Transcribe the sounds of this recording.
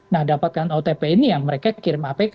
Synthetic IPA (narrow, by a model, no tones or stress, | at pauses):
nahdapat̪̚kanot̪epeinijaŋməɾekakiɾɪmapak